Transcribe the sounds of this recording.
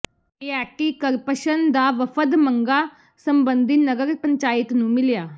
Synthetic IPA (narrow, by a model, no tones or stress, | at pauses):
eːɛːk̚ʈiːkəɾpəʃənd̪aːʋəfʰəd̪məŋɡaː | səmbə̃nd̪iːnəɡəɾpə̃ɲt͡ʃaːɪt̪nũːmɪljaː